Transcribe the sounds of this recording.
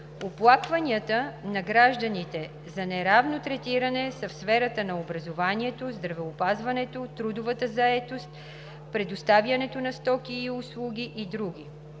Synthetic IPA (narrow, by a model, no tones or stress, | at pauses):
oplˠakvɐnʲiət̪ənɐɡɾaʒd̪ənit̪ɛ | zɐnɛɾavnot̪ɾɛt̪iɾɐnɛsɐfsfɛɾət̪ənɐobɾɐzovaniɛt̪ozd̪ɾɐvɛopazvɐnɛt̪ot̪ɾud̪ʊvət̪əzɐɛt̪ost̪̚ | pɾɛd̪ʊst̪avjɐnɛt̪onɐst̪ɔkiːʊslˠuɡʲiʔid̪ɾuɡʲi